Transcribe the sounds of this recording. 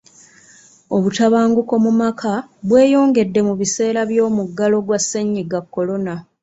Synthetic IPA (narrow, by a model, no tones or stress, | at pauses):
o̞βutaβaːŋɡuko̞mumakʰaβwe̞ːjo̞ːŋɡe̞dːe̞muβise̞ːɾaβjo̞ːmuɡːalo̞ɡwasːeɲːiɡakːo̞lo̞na